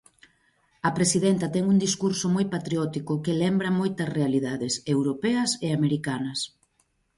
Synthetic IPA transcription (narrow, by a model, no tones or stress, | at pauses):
ɐpɾesiðɛnt̪ɐt̪ɛŋuŋd̪iskuɾsomojpat̪ɾiɔt̪ikʊkelɛmbɾɐmojt̪ɐsrealiðaðɪsewɾopɛɐseameɾikanɐs